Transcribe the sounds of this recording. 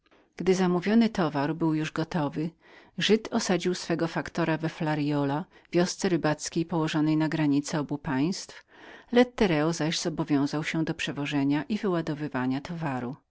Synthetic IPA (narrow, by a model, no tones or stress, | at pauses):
ɡ̥d̪ɘzamuvʲjɔnɘt̪ɔvaɾbɘwjuʐɡɔt̪ɔvɘ | ʐɘt̪ʰɔsad͡ʑiwsfɛɡɔfakt̪ɔɾavɛflaɾjɔlavʲjɔst̪sɛɾɘbat̪skʲejpɔwɔʐɔnɛjnaɡɾaɲit̪sɛɔbupaj̃st̪flɛt̪ːɛɾɛɔzaʑz̥ɔbɔvʲjɔ̃w̃zawɕɛ̃d̪ɔpʂɛvɔʐɛɲaʔivɘwad̪ɔvɘvaɲat̪ʰɔvaɾu